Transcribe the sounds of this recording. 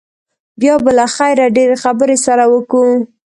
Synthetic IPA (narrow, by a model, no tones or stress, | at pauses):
bjɑbəlaxajɾaɖeɾexabəɾesaɾawəku